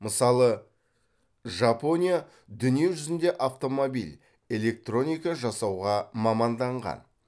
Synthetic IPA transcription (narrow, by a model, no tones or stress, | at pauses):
məsɑlˠə | ʒɑpo̞nʲija | d̪ʏnijewʒʏzɪnd̪e̞ʔaft̪o̞mo̞bḭlʲ | e̞le̞k̚t̪ro̞nʲijkɑʒɑsɑwʁɑmɑmɑnd̪ɑɴʁɑ̰n